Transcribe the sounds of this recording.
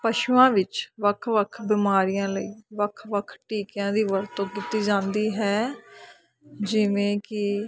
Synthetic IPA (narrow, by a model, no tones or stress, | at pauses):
pəʃuãːʋɪt͡ʃʋəkʰʋəkʰbɪmaːɾijãːləiːʋəkʰʋəkʰʈiːkjãːd̪iːʋəɾt̪õːkit̪iːd͡ʒãːnd̪iːɦɛː | d͡ʒɪʋẽːkɪ